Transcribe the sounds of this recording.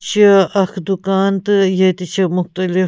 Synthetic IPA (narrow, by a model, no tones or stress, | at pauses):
t͡ʃʰiɐxd̪ukaːnt̪ɨjet̪it͡ʃʰimʊxt̪ɐlɪ